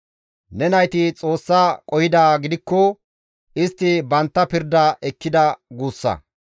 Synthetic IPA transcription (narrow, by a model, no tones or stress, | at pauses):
nɛnɐjt̪ɪt͡sʼo̞ːsːaːkʼɔhɪd̪aːɡɪd̪ɪkːɔ | ɪst̪ːɪbɐnt̪ːɐpɪɾd̪ɐʔɛkːɪd̪ɐɡuːsːɐ̰